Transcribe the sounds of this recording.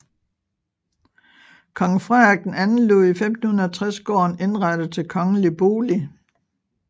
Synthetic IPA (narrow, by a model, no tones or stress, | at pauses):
kʰɒ̽ŋfʁaɐɡ̥̚d̥en̩ænn̩lo̝ːifem̰d̥n̩hun̩ˠɐt͡sʰʁasɡ̥ɒ̰ːne̝nʁɑd̥əð̩ˠt͡sʰe̝lkʰɒ̽ŋleb̥o̝ːli